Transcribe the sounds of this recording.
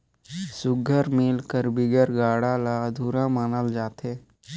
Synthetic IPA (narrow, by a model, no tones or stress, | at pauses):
sʊɡʱəɾmɪlkəɾbɪɡəɾɡaːɽalad̪ʱuːɾãmaːnəld͡ʒaːt̪eː